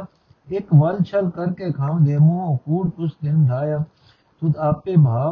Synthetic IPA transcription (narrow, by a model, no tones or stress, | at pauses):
ekʋɐlt͡ʃʰəlkəɾkekʰaːmd̪eːmõːkuːɽkʊt͡ʃʰd̪ɪnd̪ʱaːjaː | t̪ʊt̪aːpːebʱaː